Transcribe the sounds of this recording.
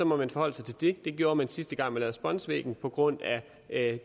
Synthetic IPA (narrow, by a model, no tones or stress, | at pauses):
ɒ̽mɒ̽mænfɒ̽hɒ̽l̰sɑ̈ɪt͡sʰe̝ld̥e̝d̥e̝ɡ̥jo̝ːɐmænsisd̥əɡ̥ɑ̈ŋ̰mænlɛːʊð̩ˠsb̥ɒ̽nsʋḛːɡ̥n̩pʰɒ̽ɡ̥ʁɔ̽n̰æ